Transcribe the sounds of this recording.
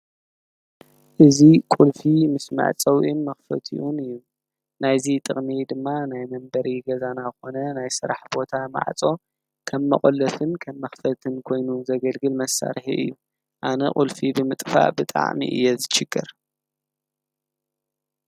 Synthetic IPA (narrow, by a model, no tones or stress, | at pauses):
ʔɨzikʼulfimɨsmɨ̰ʕt͡sʼɐwʔinmɐxfɐt̪ʰḭʔunɨjːu | najzit̪ʼɨχʼmid̪ɨmːanajmɐmbɐɾiɡɐzanaɨxo̞nɐnajsɨɾa̰ħbo̞t̪ʰama̰ʕt͡sʼo̞ | kʰɐmːɐ̰χʼolːɐfɨnkʰɐmːɐxfɐt̪ʰɨnkʰo̞jnuzɐɡɐlɡɨlmɐsa̰ɾħḭʔɨ̰jːu | ʔanɐkʼulfibɨmɨt̪ʼfa̰ʔbɨt̪ʼa̰ʕmḭʔɨ̰jːɛzɨʃɨɡːɨɾ